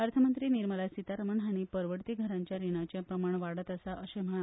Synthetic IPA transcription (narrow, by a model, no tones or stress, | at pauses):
aɾt̪ʰəmənt̪ɾiːniɾməlasit̪aɾəməɳaɽ̃ipəɾʋəɾt̪iːɡʱəɾaɲt͡ɕjaɾiɽ̃at͡ɕjapɾəmaɳ̃ʋaɽ̤ət̪əsaʔəɕem̤əa